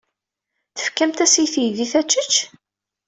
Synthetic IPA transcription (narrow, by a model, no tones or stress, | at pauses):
θə̥fkːæmt̪æsjθjðiθæt͡ʃːət͡ʃː